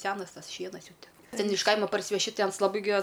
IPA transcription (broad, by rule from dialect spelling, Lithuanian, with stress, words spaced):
ˈsʲæːnɐs ˈtɐs ˈʃʲiɛnɐs ˈjɛʊ ˈtʲɛn ˈtʲɛn ɪʃ ˈkɐɪmɐ pɐrʲsʲɪʋʲɛˈʃʲɪ ˈtɐɪ ˈɐns lˠɐˈbɐɪ ɡʲɪ ɐs